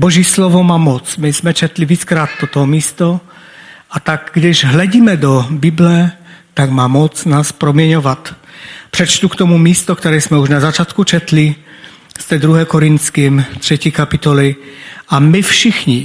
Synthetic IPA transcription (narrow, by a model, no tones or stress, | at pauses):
boʒiːslovo̞maːmot͡smɪsmɛt͡ʃɛt̪liviːt͡skɾaːt̪̚t̪ot̪oɦomiːst̪o | ʔat̪aɡɡdɪʒɦlɛɟiːmɛdobɪblɛt̪aɡmaːmot͡snaːspɾomjɛɲovat̪pr̥ɛt͡ʃt̪ukt̪omumiːst̪okt̪ɛɾɛːsmɛuʒnazat͡ʃaːt̪kut͡ʃɛt̪li | st̪ɛːd̪ɾuɦɛːkoɾɪnt̪t͡skimt̪r̝̥ɛciːkapɪt̪olɪʔamɪfʃɪxɲɪ